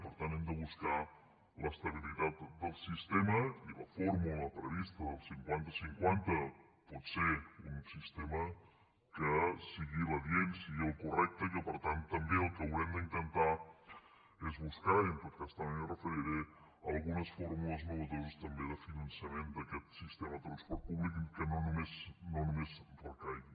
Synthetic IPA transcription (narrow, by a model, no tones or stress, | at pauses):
pəɾt̪ant̪ɛmd̪əβ̞uska | ləst̪əβ̞ilit̪at̪d̪əlˠsist̪eməilə̰foɾmuləpɾəβist̪əðəlˠsiŋkwant̪əsiŋkwant̪ə | pɔt̪seunsist̪ɛmə | kəsiɣiβəβjensiɣiəlˠkurɛk̚t̪əikəpəɾt̪ant̪ːəmbeəlˠkəwɾɛmd̪əint̪ənt̪a | ezβuskainpəɾkast̪amnrəfəɾiɾe | alˠɣunəsfoɾmuləzmoβət̪oβust̪ɐmbeðəfinɐnsjəmẽnd̪əkɛt̪sist̪emɐðət̪ɾɐnspɔɾt̪̚puβlikikənonumeznonumezpəɾkaj